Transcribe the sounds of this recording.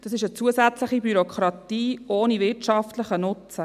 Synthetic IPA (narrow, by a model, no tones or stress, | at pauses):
d̥ɑsɪʃət͡suəzæt͡sləχibyɾokχɾɑtiːʔoːnivɪɾtt͡ʃɑftləχənʊt͡sə